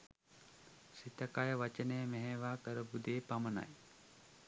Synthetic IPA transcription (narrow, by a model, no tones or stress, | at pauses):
sit̪əkajəʋat͡ʃənəjəmeɦeʋaːkəɾəbud̪eːpaməna̰j